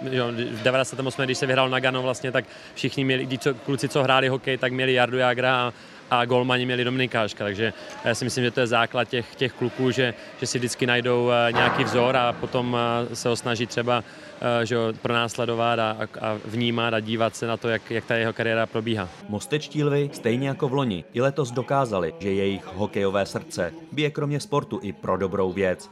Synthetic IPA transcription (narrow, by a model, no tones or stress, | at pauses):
ʒodɛvaɾasɛt̪ɛmosmɛɡdɪʃsɛvɪɦɾaːlonaɡanovlast̪ɲɛt̪ak | fʃɪxɲɪmɲɛlɪktɪt͡soklut͡sɪt͡soɦɾaːlɪɦo̞kɛjt̪akmɲɛlɪjaɾdujaːɡɾa | ʔaɡolmaɲɪmɲɛlɪdo̞mɪnɪkaːʃkat̪aɡʒɛjaːsɪmɪslimʒɛt̪ojɛzaːklat̪̚cɛxcɛxklukuːʒɛ | ʒ̥ɛsɪvdɪt͡skɪnajdowɲɛjakiːvzo̞ɾapo̞t̪o̞msɛɦosnaʒit̪ːr̝̥ɛba | ʒɛopɾonaːslɛdo̞vat̪aa̰vɲiːmat̪aɟiːvat̪sɛnat̪ojakjak̚t̪ajɛɦo̞kaɾɪjɛːɾapɾo̞biːɦaː | mo̞st̪ɛt͡ʃciːlvɪst̪ɛjɲɛjako̞vlo̞ɲɪ̰ʔɪlɛt̪o̞zdo̞kaːzalɪʒɛjɛjɪxɦo̞kɛjo̞vɛːsr̩t͡sɛbɪjɛkɾomɲɛspo̞ɾt̪uʔɪpɾʔo̞do̞bɾo̞wvjɛt͡s